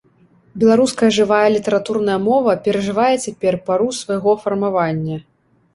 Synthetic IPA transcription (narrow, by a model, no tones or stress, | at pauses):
bʲɛlˠaɾuskɐjɐʐɨvajɐlʲit̪ɐɾat̪urnɐjɐmɔvɐpʲɛɾɐʐɨvajɛt͡sʲapʲɛrpaɾusvɐjɣɔfɐrmavanʲːɐ